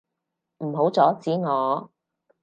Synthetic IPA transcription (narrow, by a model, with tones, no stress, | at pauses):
m̩˨˩ɦo˨˥wt͡sɔː˨˥t͡siː˨˥ŋɔː˨˧